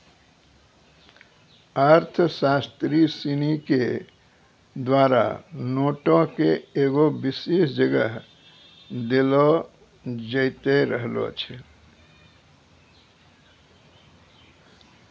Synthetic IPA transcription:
əɾt̪ʰəsast̪ɾisinike | d̪waːɾa̰noːʈõkeeːɡobisesd͡ʒəɡəɦ | d̪elo | d͡ʒəɪt̪eɾəɦlo̰t͡ʃʰɛ

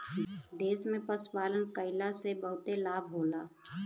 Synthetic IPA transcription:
d̪eːsmẽpəspaːlənkəɪlasebəɦʊt̪elaːbʱɦoːlaː

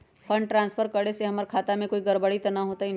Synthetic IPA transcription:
pʰɐ̃ɳɖʈɾãːnspʰəɾkəɽeseɦɐməɾkʰaːt̪amẽkoːiɡɐɾbəɽit̪ɐnaɦoːt̪aɦi

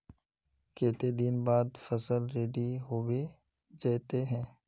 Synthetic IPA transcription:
keːt̪ed̪ɪnbaːd̪fɐsəlɾeːɖiɦoːwe | d͡ʒeːt̪eɦɛ̃ː

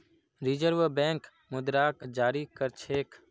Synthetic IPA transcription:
ɾɪd͡ʒəɾʋbɛ̃ːŋk | mʊd̪ɾaːkd͡ʒaːɾikəɾt͡ʃʰeːk

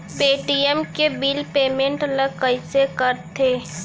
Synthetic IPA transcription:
peːʈijəmkebiːlpeːmẽɳʈləɡkəɪsekəɾt̪ʰeː

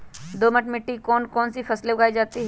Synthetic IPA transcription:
d̪oːmɐʈmɪʈːikɔːnkɔːnsifɐslebʊɡaːid͡ʒaːt̪iɦɛ

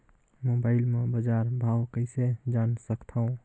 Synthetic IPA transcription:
moːbaːɪlmẽbəd͡ʒaːɾbʱaːwkəɪsed͡ʒaːnsəkt̪ʰaõ

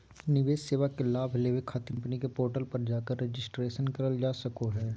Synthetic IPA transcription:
nɪʋeːsseːʋakelaːbʱleʋekʰaːt̪ə̃mpənikepoːɾʈəlpɐɾd͡ʒaːkəɾːed͡ʒɪsʈɾeːʃənkɐɾəld͡ʒaːsɐkoɦɛː

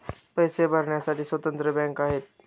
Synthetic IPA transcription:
pəjsebʱəɾɳjasaʈiːsʋət̪ə̃nt̪ɾəbɛ̃ŋkaɦeːt̪̚

